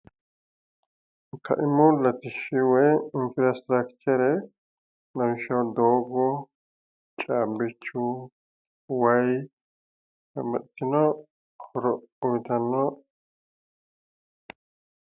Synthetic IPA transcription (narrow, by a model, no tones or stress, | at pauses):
kʰɐ̰ʔɪmʊlɐt̪ɪʃːɪwɔjɪnfɾast̪ɾɐkt͡ʃɛɾɛ | lɐnʃɐwd̪oːɡɔ | t͡ʃʼaːbːɪt͡ʃːʊ | wɐj | kɐmɐt̪ːɪnɔ | hɔɾɔɔjt̪ɐnːɔ